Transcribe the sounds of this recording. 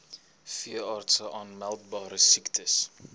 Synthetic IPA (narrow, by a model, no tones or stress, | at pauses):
fiəɑːrtsəʔɑːnmælˠt̚bɑːɾəsiktʰəs